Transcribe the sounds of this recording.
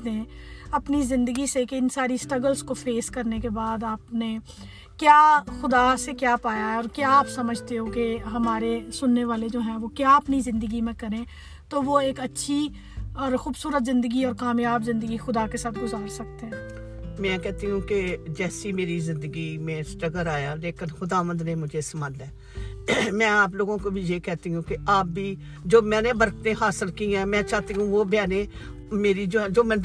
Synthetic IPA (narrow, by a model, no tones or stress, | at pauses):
d̪ẽɐpnizɪ̃nd̪əɡisekeɪnsaːɾisʈɾɐɡəlskofeːskɐɾnekebaːd̪aːpne | kjaːxʊd̪asekjaːpaːjaɦɛɔːɾkjaːpsɐməd͡ʒʱt̪eɦokeɦɐmaːɾesʊnːeʋaːled͡ʒoːɦɛ̃ːʋokjaːɐpnizɪ̃nd̪əɡimẽkɐɾẽ | t̪oʋoeːkɐtːʃʰi | ɔːɾxuːbsuːɾət̪zɪ̃nd̪əɡiːɔːɾkaːmjaːbzɪ̃nd̪əɡixʊd̪aːkesaːt̪ʰɡʊzaːɾsək̚t̪eɦɛ̃ː | mɛ̃ːkɛːt̪iɦũːked͡ʒɛːsiːmeːɾiːzɪ̃nd̪əɡiːmẽːsʈɾəɡəɾaːjaːleːkənxʊd̪aːʋə̃nd̪nẽːmʊd͡ʒʱeːsmaːdɛː | mɛ̃ːaːp̬loːɡõːkobʱijeːkɛːt̪iũːkeaːp̚bʱiː | d͡ʒoːmɛ̃ːneːbəɾkt̪ẽːɦaːsəlkiːãːmɛ̃ːt͡ʃaːt̪iɦũʋoːbjaːnẽː | meːɾid͡ʒd͡ʒoːmɛ̃ː